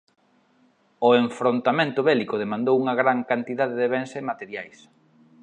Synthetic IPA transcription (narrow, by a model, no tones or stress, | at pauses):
ʊeɱfɾont̪amẽnt̪ʊβɛlikʊð̞emãnd̪owuŋɐɣɾaŋkant̪iðaðeðeβɛnsemat̪eɾjajs